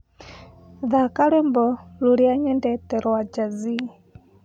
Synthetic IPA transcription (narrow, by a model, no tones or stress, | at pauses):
ðakaɾwembɔluɾjaɲɛndɛtɛɾɔwad͡ʒazi